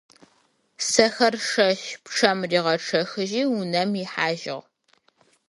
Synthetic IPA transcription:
sɐxɐrʂɐɕpʈ͡ʂʰɐmriːʁɐʈ͡ʂʰɐxɨʒiːunɐmjɪħaːʒɪ̰ʁ

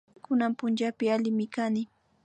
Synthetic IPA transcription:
kʊnampʊnt͡ʃapɪalɪmɪkanɪ

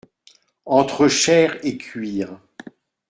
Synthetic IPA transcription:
ɑ̃t̪χəʃɛːʁekʰʲɥiːʁ

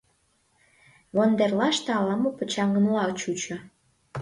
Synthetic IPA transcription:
βond̪erlɑʃt̪ɑlɑmopə̆t͡ɕɑŋə̆nlɑt͡ɕut͡ɕo

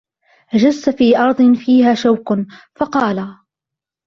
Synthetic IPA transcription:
ʔad͡ʒasːafiːʔɑɾˤd̪ˤɨnfiːɦaːʃawknfɑqɑːla

